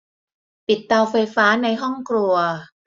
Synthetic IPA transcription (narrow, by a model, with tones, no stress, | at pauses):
pi˨˩t̪̚ːa˧wfa˧jfaː˦˥na˧jɦɔ˥˩ŋkʰɾu˧ɐ